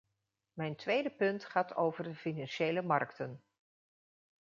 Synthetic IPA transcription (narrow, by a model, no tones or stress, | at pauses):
mɛjntʋejdəpɵntχaːtʰo̰wvərdəfinɑnʃejləmɑrktən